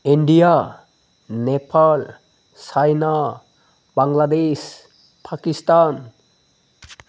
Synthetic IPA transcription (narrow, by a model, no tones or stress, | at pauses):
iɳɖija | nepʰal | sajna | baŋɡlad̪es | pʰakist̪an